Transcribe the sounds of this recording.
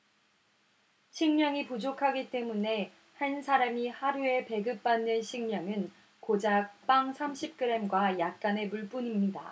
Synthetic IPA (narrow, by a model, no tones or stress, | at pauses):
ɕʰiŋɲʌŋipud͡ʑokʰaɡit͈e̞mune̞ | hansʰaɾamihaɾue̞pe̞ɡɯp̚p͈anːɯnɕʰiŋɲjʌŋɯn | kod͡ʑak̚p͈aŋsʰamɕʰip̚k͈ɯɾe̞mɡwajak̚k͈ane̞muɭp͈uɲimɲida̰